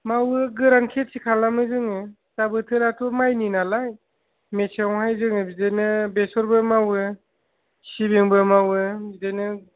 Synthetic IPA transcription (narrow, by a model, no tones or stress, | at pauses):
mawɯɡɯɾankʰetsikʰalːamɯzɯŋɯ | tabɯtʰɯlatʰumajninalaj | meseŋhajzɯŋɯbidejnɯbesɔɾbɯmawɯ | sibiŋbɯmawɯbidajnɯ